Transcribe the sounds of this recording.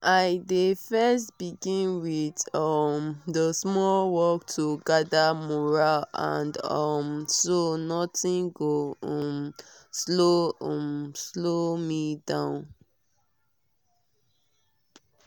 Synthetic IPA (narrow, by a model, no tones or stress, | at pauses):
ʔaɪdefɛstb̥iɡĩnwiðʌmdəsmɔlwɔktʰuɡadamɔɹalã̰ndɔmsonɔtĩnɡoɔmsloɔ̃mslomidãʊ̃n